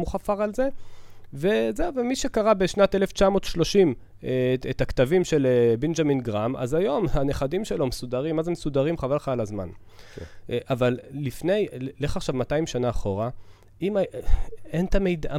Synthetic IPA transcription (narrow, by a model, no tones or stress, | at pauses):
muχafaʁalze̞ve̞zewvemiʃekaʁabe̞ʃnat̪eleft͡ʃamo̞ːtʃlo̞ʃim | et̪akt̪avimʃe̞lebend͡ʒaminɡʁama̰zajo̞mhaneχad̪imʃelo̞mesud̪aʁimːazemesud̪aʁimχavalχalazma̰n | ʔavalːifne̞jleχaχʃavmataimʃanaːχo̞ʁa | ima | ent̪amejdaa